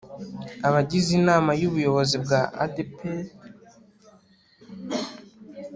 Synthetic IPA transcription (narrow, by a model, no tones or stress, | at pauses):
aβaɟizinaːmajuβujo̞βo̞zibɡaʔa̰depʰe